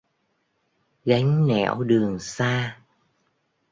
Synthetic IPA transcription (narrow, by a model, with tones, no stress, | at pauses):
ɣa˨˦jŋ̟nɛ̰˧˨wɗɨ˨˩əŋsaː˧